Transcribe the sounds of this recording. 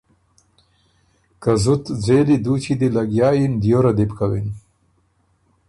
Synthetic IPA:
kazʊt̪d͡zeːlid̪ut͡ʃid̪elaɡjɑːjind̪joɾad̪ibkawḭn

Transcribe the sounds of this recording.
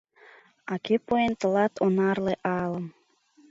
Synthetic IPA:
ɑkepoent̪əlɑt̪ʰonɑrleʔɑləm

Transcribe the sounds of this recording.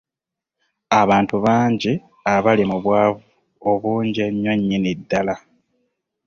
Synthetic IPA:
aβaːntuβaːɲɟi | aβalimuβwaːvuu | oβuːɲɟeɲːoɲːinidːala

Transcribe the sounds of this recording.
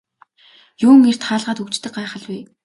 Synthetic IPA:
jʊːŋer̥t̪χaːɮʁaːt̪ukt͡ɕt̪ɘ̆k̚ɢaːχə̆ɮwiː

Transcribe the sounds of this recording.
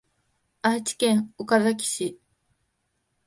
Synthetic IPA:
at͡ɕi̥kʲẽŋukazakʲi̥ɕi

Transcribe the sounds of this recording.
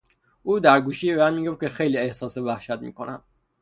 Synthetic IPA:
ʔuːd̪æɾɡuːʃiːemæːd̪miːɡo̞ft̪̚cʰexejliːehsɒːsevæhʃæt̪̚mḭːko̞næ̰m

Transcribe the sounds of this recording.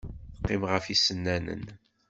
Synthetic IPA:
θqːimʁəfisːənːænə̰n

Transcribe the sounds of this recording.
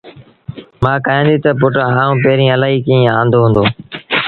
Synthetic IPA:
mãːkaːẽːnd̪iːt̪əp̬ʊʈɦãːũːp̬eːɾĩːəlaːɦiːkĩːãːnd̪oːɦʊ̃nd̪oː

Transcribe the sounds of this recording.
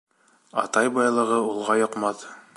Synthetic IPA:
ɑ̰t̪ɑjbɑjlˠɤ̆ʁɤulˠʁɑjŏqmɑð

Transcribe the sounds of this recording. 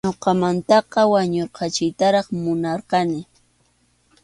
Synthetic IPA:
ɲoqɑmant̪ɑqɑwaɲoɾqɑt͡ʃɪjt̪aɾɑχmʊnɑɾqɑnɪ

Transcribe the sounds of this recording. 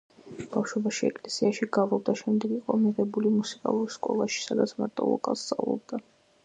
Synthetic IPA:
b̥afʃwɛbaʃiɛkʼlɛsiaʃiɡavɔb̚d̪aʃɛmd̪ɛɡiqʼɔmiʁɛbulimusi̥kʼa̰lˠuɾskʼɔlˠaʃi̥sad̪at̪sʰma̰ɾt̪ʼɔ̰lˠɔ̰kʼalˠst̪sʼa̰vlˠɔ̰b̚d̪a

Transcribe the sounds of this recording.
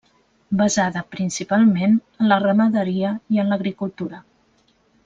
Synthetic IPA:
bəzaðəpɾinsipalˠmenənlərəməðəɾiəiənləɣɾikulˠt̪uɾə

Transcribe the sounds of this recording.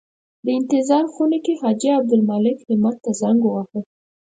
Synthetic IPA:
d̪əɪnt̪ɪzɑɾxunekehɑd͡ʒiab̚d̪ʊlmɑlɪkhɪmat̪ːazaŋɡowaxə

